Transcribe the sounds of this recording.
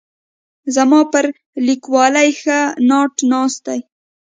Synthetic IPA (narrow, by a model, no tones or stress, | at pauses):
zamɑpəɾ | likwɑlajxənɑʈnɑst̪aj